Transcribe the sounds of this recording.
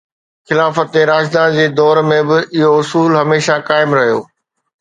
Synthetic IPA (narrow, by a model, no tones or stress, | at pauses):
xɪlaːfət̪ːeɾaːd͡ʑd̪aːnd͡ʑeːd̪ɔːɾmẽbɪʔɪɦoʊsuːlɦɐmeːʃakaːɪmɾɐɦijo̰ː